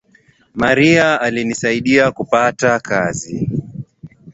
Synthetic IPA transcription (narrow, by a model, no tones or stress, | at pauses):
maɾiaːlinisaiɗiakupatakazi